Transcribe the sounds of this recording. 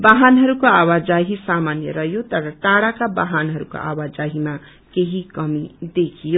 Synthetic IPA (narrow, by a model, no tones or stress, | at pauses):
baɦanɦʌɾukoawad͡zaɦisamanjʌɾʌɦjot̪ʌɾʌʈaɽakabaɦanɦʌɾuko̰ʔa̰wad͡zaɦima | keɦikʌmid̪ekʰijo